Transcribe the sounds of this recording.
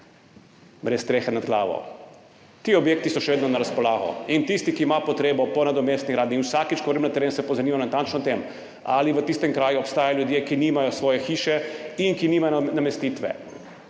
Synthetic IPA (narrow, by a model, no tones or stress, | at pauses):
bɾɛst̪ɾeːxɛnad̪ɡlaːʋɔ̰ | t̪iːɔbjeːk̚t̪isɔʃɛʋeːd̪nɔnaɾaspɔlaːɣɔ̰int̪ist̪ikiːmapɔt̪ɾeːbɔpɔnad̪ɔmeːst̪niɡɾaːd̪ninwsakit͡ʃkɔʋɾmnat̪ɛɾeːnsɛpɔzaniːmanat̪ant͡ʃnɔt̪em | a̰liʋət̪ist̪ɛmkɾaːjuɔpst̪aːjaljud̪jeːkiniːmajɔsʋɔːjɛxiːʃɛiŋkiniːmajnamɛst̪iːt̪ʋɛ̰